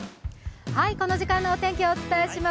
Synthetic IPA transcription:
haiko̞no̞ʑikãnːoːt̪ẽ̞ŋkʲioːt͡sɨ̥t̪aeɕima

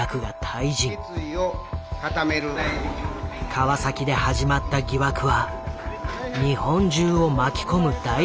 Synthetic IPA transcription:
akɯ̟ɡat̪ʰaiʑĩ | ɨiokat̪ame̞ɾɯ̟ | kʰaβasakʲid̪e̞haʑimat̪ːaɡʲiβakɯ̟βa | ɲ̟ihõ̞ɲ̟d͡ʑɨːo̞makʲi̥ko̞mɯ̟d̪a

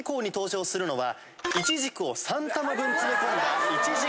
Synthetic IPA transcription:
ko̞ːɲ̟it̪o̞ːɕo̞ːsɨɾɯ̟no̞βa | it͡ɕiʑikɯ̟o̞sãnt̪amabɯ̟̃nt͡sɨɾet̪eɾait͡ɕiʑi

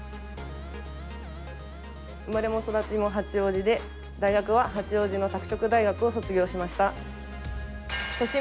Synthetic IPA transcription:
ɯ̟maɾe̞mo̞ːso̞d̪at͡simo̞ɦat͡sɨjo̞ːʑid̪e̞ | d̪aiɡakɯ̟βaɦat͡sɨjo̞ːʑino̞t̪akɯ̟̥ɕo̞kɯ̟d̪aiɡakɯ̟o̞so̞t͡sɨɡʲo̞ːɕimaɕi̥t̪a | t̪o̞ɕi

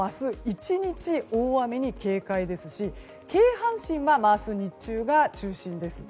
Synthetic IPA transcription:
asɨit͡ɕiɲ̟it͡ɕio̞ːβame̞ɲ̟ike̞ːkaid̪e̞sɨɕi | ke̞ːɦãɰ̃ɕĩɰ̃βamasɨɲ̟it͡ɕɨːɡat͡ɕɨːɕĩnd̪e̞sɨ̥

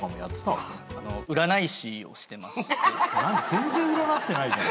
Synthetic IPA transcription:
ãmojatːɨ̥t̪a̰anoɯ̟ɾanaiɕio̰ɕi̥t̪e̞masãnzẽ̞nzẽ̞ɯ̟ɾanakɯ̥t̪e̞nai

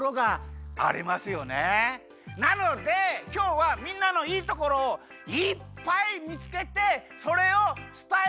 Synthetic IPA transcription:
ɾoɡaa̰ɾʲḭmasɨjo̞ne | nano̞d̪e̞kʲo̞ːβamʲĩnːano̞iːt̪oko̞ɾo̞ː | ipːaimʲit͡sɨ̥ke̞t̪e̞so̞ɾe̞ot͡sɨ̥t̪a

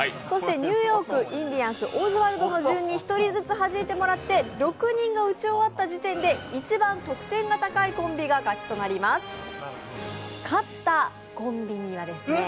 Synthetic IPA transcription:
so̞ɕi̥t̪e̞ɲ̟ɨːjo̞ːkɯ̟ʔĩnd̪ʲiãɰ̃sɨʔo̞ːzɨβaɾɯ̟d̪o̞no̞ʑɨ̃ɲ̟ːiçi̥t̪o̞ɾʲizɨt͡sɨɦaʑimet̪e̞mo̞ɾat̪ːe̞ɾo̞kɯ̟ɲ̟ĩŋɡaɯ̟t͡ɕio̞βat̪ːaʑit̪ẽ̞nd̪e̞it͡ɕibãnt̪o̞kɯ̟̥t̪ẽ̞ŋɡat̪akaikõ̞mbʲiɡakat͡ɕi̥t̪o̞naɾʲimasɨ̥ | kʰat̪ːa | kõ̞mbʲiɲ̟iβad̪e̞sɨne

